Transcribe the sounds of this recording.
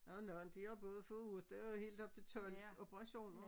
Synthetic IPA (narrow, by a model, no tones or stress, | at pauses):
onɒn̩d̥ihɑb̥ɔ̽ːð̩ˠfoːðˠud̥ehe̝̰ːld̥ɒ̽b̥̚t͡sʰe̝t͡sʰɒlob̥ʰəʁɑ̈ɕo̝̰ːn